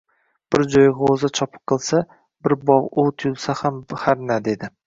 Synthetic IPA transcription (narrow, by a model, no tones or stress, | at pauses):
b̥ɪɾd͡ʒɒjɡaozat͡ʃʰɒpʰɨ̥qqːɨlˠsa | bɪɾbɒʁʊt̪ʰʊjʊlˠsahamhaɾnad̪e̞d̪ɪ